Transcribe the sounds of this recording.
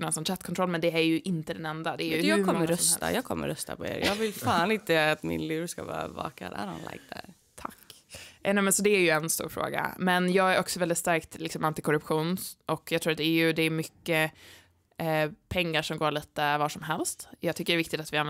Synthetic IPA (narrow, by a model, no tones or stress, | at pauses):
nɔnsɔnːɕʰɛt̪kʰɔnt̪ɾɔlːmɛnd̪ɛæɾjɵʔɪnt̪əd̪ɛnɛnd̪ad̪ɛæɾjɵjɑːkɔmːəɾɾœst̪a̰jɑːɡ̚kʰɔmːə̰ɾœst̪apʰɔḛːɾjɑːɡvɪlfaːnɪnt̪əat̪mɪnlʉːɾskavɑːɾavɑ̰ːkad̪æɾha̰nla̰ɡ̚d̪aɾ | t̪ʰakː | nɛmɛnsɔd̪ɛæɾjɵɛnst̪ṵːɾfɾo̰ːɡa̰mɛnjɑːɡæɾʔɔksɔvɛld̪ɪt̪st̪æɾkt̪lɪksɔmʔant̪ɪkʰɔɾɵpɧuːnʔɔkːjɑɡt̪ʰɾuːɾat̪d̪ɛæɾjɵd̪ɛːɾmʏkːə | pʰɛŋːaʂɔmɡoːɾɭiːt̪əvɑːʂɔmɦɛlst̪jɑːɡt̪ʰʏkːəɾɛvɪkt̪ɪt̪at̪vɪan